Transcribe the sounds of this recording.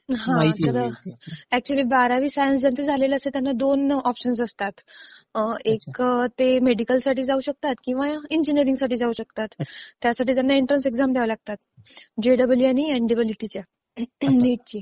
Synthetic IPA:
ɦãt̪əɾ | æk̚t͡ɕuəliːbaɾaʋiːsajəns̬d͡ʑant̪ed͡zʱalelaəset̪janːad̪onɔpɕəns̬əst̪at̪ | ekt̪emeɽikəlsaʈiːd͡zauɕək̚t̪at̪kĩw̃ʋajaiɲd͡ʑiniəɾiŋɡsaʈiːd͡zauɕək̚t̪at̪ːjasaʈiːt̪janːaiɳʈɾənseɡzamd̪jɛʋəlaɡ̚t̪at̪ | d͡ʑeɖəbəljaniɛ̃ɳɖibliʈit͡ɕja | niʈ̚t͡ɕiː

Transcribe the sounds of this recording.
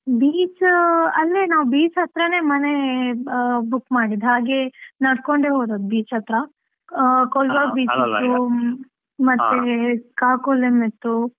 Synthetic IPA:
biːt͡ʃɐlːenaːʋbiːt͡ʃɦɐt̪ɾɐne̞ːmɐne | bukːmaːɽid̪ɦaːɡenɐɽkoɳɖeːɦoːd̪oːd̪̚biːt͡ʃɦɐt̪ɾɐ | koːlʋɐbiːt͡ʃit̪ːu | mɐt̪ːekaːkolemet̪ːu

